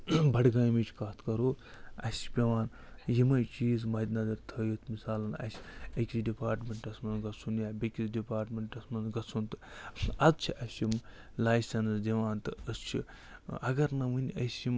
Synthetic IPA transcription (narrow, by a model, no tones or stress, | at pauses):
bɐɽɡaːjmit͡ʃʰkaːt̪kɐɾoːɐ̰sʲpʲeʋaːn | jimɐjt͡ʃiːzmɐd̪ʲnɐd̪ɐɾt̪ʰɐjit̪ʰmisaːlɐnɐ̰sʲɐkʲisɖipaːɾʈmʲeɳʈɐsmɐnɡɐsunjaːbʲekʲisɖipaːɾʈmʲeɳʈɐsmɐnzɡɐsunt̪ɨ̥ɐzt͡ʃʰiʔɐsim | laːjsʲɐnsd̪ʲiʋaːnt̪ɨɐst͡ʃʰi | ɐ̰ɡɐɾnɐmɨnʲɐsʲim